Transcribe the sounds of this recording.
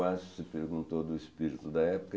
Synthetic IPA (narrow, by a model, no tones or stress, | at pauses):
azsɪpeɾɡũnt̪od̪ʊispiɾit̪ud̪ɐɛpu̥kɐ